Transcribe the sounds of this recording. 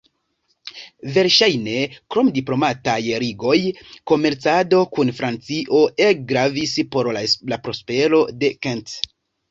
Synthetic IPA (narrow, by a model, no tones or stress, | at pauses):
ve̞ɾʃajne̞kɾo̞mdiplo̞matajɾiɡo̞jko̞me̞ɾt͡sado̞kunfɾant͡siʔo̞ʔeɡɾavispo̞ɾlapɾo̞spe̞ɾo̞de̞kent